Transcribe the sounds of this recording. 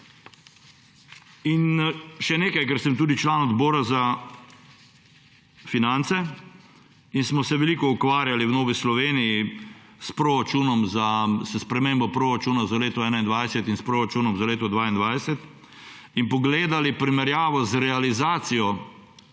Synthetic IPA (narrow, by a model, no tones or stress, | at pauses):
inʃɛneːkajkɛɾsɛmt̪uːd̪it͡ʃlaːnɔd̪boːɾaza | finant̪sɛ | insmɔsɛʋɛliːkɔukʋaːɾjaliwnoːʋislɔʋeːniji | spɾɔɾat͡ʃuːnɔmzasspɾɛmembɔpɾoɾat͡ʃuːnazaleːt̪ɔɛːnaind̪ʋajsɛt̪inspɾoːɾat͡ʃuːnɔmzaleːt̪ɔd̪ʋaːind̪ʋajsɛt̪ | inpɔɡleːd̪alipɾimɛɾjaːʋɔzɾɛalizaːt̪sijɔ